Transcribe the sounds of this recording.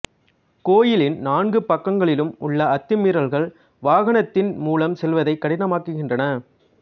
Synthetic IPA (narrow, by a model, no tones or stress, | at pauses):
koːjɪlɪnnaːnɡɯpɐkːɐŋɡɐɭɪlɯmʊɭːɐɐt̪ːɯmɪɾɐlɣɐɭ | ʋaːɣɐnɐt̪ːɪnmuːlɐmsɛlʋɐðɐɪkːɐɽɪnɐmaːkɯɣɪndrɐnɐ